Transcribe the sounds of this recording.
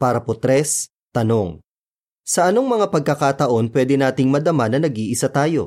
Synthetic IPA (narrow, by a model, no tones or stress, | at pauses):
paːɾɐpot̪ɾɛs | t̪ɐno̞ŋ | sɐʔɐno̞ŋmɐŋapɐɡ̚kɐkat̪ɐʔo̞npwɛːd̪ɪnaːt̪ɪŋmɐd̪ɐmanɐnɐɡiːʔɪsat̪aːjo̞̰